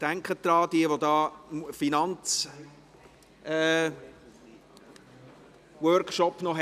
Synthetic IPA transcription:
d̥æŋkχəd̪̥ɾɑːd̥̪iəʋodɑːmfinɑnt͡s | ɛː | wœɾkʃɔpnɔɦ

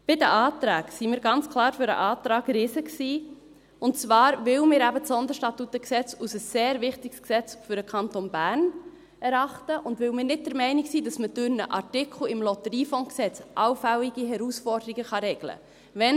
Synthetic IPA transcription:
b̥ɪdəʔɑːtɾaːɡsimɪːɾɡɑnt͡skʰlɑːɾfʏɾə̰ʔɑːt̪ɾɑːɡɾɪsəksiː | ʊnt͡sʋɑːɾvɪlmɪːɾæbətsɔnd̪əʃtɑtutːəksɛt͡susəsːeːɾvɪχtiɡsksɛt͡sfʏɾəkʰɑntonbæːɾn | ɛɾɑχtəʔʊndʋɪwmɪːɾnɪt̚dɛɾmɛɪniksiːdɑsməd̥ʉɾnə̰ʔɑ̰ɹtɪkʰl̩ɪmlɔtəɾiːfɔŋksɛt͡sʔɑʊfæliɡiɦɛɾusfɔrdəɾiɡəχɑɾɛɡlə̰ | vɛn

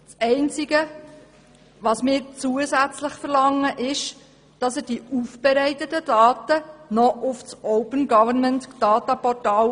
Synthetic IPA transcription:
sɛɪnt͡siɡə | ʋɑsmɪːɾt͡suəsæt͡slɪχfəɾlɑŋːəʔɪʃ | d̥ɑsəd̥iufb̥ɛɾɛɪtətəd̥ɑːtənɔʔʊfsɔʊpənɡɑvəməntd̥ɑːt̪ɑpɔrtɑːl

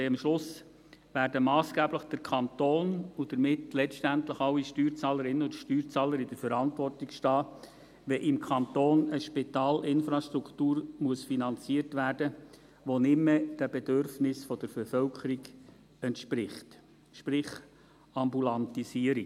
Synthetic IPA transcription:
mʃlʊs | ʋæːɾdəmɑːsɡ̥æːbləχd̥əɾkʰɑnt̪oːnud̥əɾmɪtlɛstæntləχɑʊiʃtyːɾt͡sɑːləɾɪnːəʊd̪ʃtyːɾt͡sɑːləɾɪdəɾfəɾɑntvɔrtikʃtɑː | ʋɛʔɪmkʰɑnt̪oːnəʃpɪt̪ɑːlʔɪnfɾɑʃtɾuktuːɾmuəsfinɑnt͡siərtʋæːrd̥ə | ʋonɪmːəd̥æbɛd̥ørfnɪsfɔd̥əɾb̥ɛfœlkʰəɾiɡ | ɛntʃpɾɪχt | ʃpɾɪχ | ɑmbulɑnt̪isiəɾi

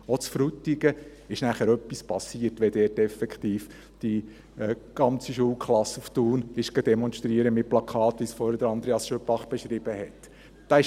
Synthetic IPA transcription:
ot͡sfɾut̪ːiɡə | ɪʃnæχəɾœpːispɑsːiəɾtʋɛdɛːtɛfɛkχt̪iːf | d̥i | ɛɡ̥ɑnt͡siʃuəlkʰχlɑsuftuːnɪʃɡ̥ɑd̥ɛmɔnʃtɾiəɾəmɪt̚plɑkʰɑːt̪ʋisfɔɾdəɾɑnd̥̪ɾeɑsʃøpɑχb̥eʃɾɪb̥əhɛt̪ | d̥ɑɪ

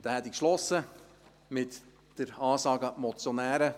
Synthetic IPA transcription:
d̪̥ɛhɛt̪ikʃlɔsːə | mɪt̪ | d̥əɾɑːsɑːɡɑmɔt͡sjɔnæːɾə

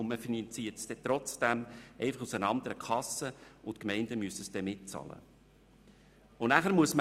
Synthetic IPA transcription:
ʊnməfinɑnt͡siːətsd̥ɛt̪ɾɔt͡sd̥æmɛɪfɑχusənɑnd̪əɾəkʰɑsəʊtkmɛɪndəmyəsəsd̥ɛmɪt̚t͡sɑ̰lə̰ | ʊnæχæɾmuəsmə

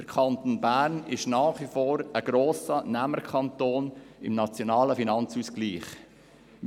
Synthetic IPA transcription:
d̥əɾkʰɑnt̪oːnbæːɾnɪʃnɑːχʋifoːɾəɡ̥ɾoːsənæməɾkʰɑnt̪oːnɪmnɑt͡sjonɑːləfinɑnt͡suːsɡ̥liːχ

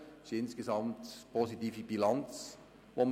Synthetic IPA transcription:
ʃɪnskezɑmtpʰositiːfibilɑnt͡s | ʋom

